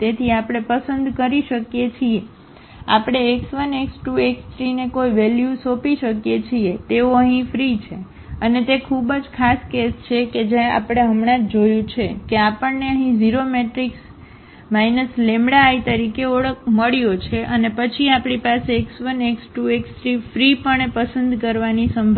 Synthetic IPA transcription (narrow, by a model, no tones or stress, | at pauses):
t̪et̪ʰiapɽ̃epəsənd̪ʱkəɾiʃəkjet͡ʃʰie | a̰pɽ̃eːksʋəneksʈueksʈɾinekoiʋɛljusopiʃəkjet͡ʃʰiet̪eoəɦĩfɾit͡ʃʰe | ənet̪ekʰubəd͡ʒkʰaskest͡ʃʰeked͡ʒãa̰pɽ̃eɦəmɽãt̪d͡ʒojũt͡ʃʰekeapəɳneəɦĩziɾomeʈɾiks | majnəslemɽaːit̪əɾikeoɽək̚ʰməɭjot͡ʃʰeʔənepət͡ʃʰiapɽ̃ipaseːksʋəneksʈueksʈɾifɾipəɳepəsənd̪ʱkəɾʋanisəmbʱ